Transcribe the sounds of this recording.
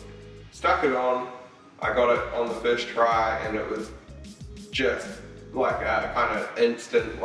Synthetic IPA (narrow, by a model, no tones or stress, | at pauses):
stʌkɨɾn̩ | ʔa̰ɪɡɑɾɪɾn̩ðəfɪʃtʰɹ̥aɪɨ̃nɪʔwʔʌz | d͡ʒʌstlaɪkəkʰãɪ̃ndɨɪ̃nstɨ̃nʔ